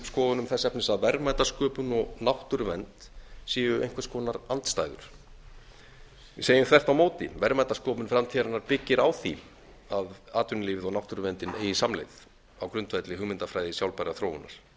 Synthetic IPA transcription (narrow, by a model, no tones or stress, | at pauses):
skɔːðʏnʏmθɛsːɛpnɪsaðvɛɾmajt̪askœːpʏnɔɣnawht̪ʏɾʏvɛnt̪siːvʏʔḛjŋkvḁskʰɔːnaɾant̪st̪ajðʏ̰ɾ̥ | vɪseːjʏmkɛ̥t̪awmoːwt̪ɪ̰vɛɾmajt̪askɔːpʏnfɾamt̪ʰiɾanːaɾpɪcːɪɾawθi | aðaːt̪ʏnliːvɪðawnawht̪ʏɾʏvɛnt̪ɪnḛːjɪsamlḛjθ | awkɾʏnt̪vɛt̪lɪɦʏɣmɪnt̪afɾaːjðɪsjawlpajɾaθɾoːwʏnːa̰ɾ̥